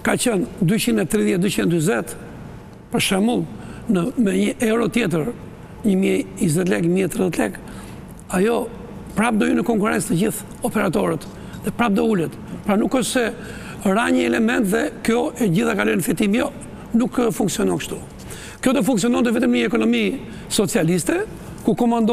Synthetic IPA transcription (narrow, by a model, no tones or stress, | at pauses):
kat͡ɕənd̪yt͡ɕinɛt̪ːɾiðjɛt̪̚d̪yt͡ɕinɛd̪yzɛt̪ | pəɾʃɛmulˠnəmɛɲəʔɛwɾɔt̪jɛt̪əɾ | ɲəmjɛizɛt̪lɛkɲəmiɛt̪ɾiðɛt̪lɛ̰k | ajɔ | pɾapd̪ɔjunəkɔŋkuɾɛ̰nt͡st̪əd͡ʑiθ | ɔpɛɾat̪ɔɾət̪ | ðɛpɾap̚d̪ɔulət̪pɾanukɔʃsɛ | ɾaɲəɛlɛmɛnt̪ðɛkjɔɛd͡ʑiθakalɔjnəfɛt̪imjɔ | nukəfuŋksiɔnɔŋkə̥ʃt̪u | kjɔt̪ɔfuŋksiɔnɔnt̪ɛvɛt̪əmnɲəɛkɔnɔmi | sɔt͡sialist̪ɛ | kukɔmand̪ɔ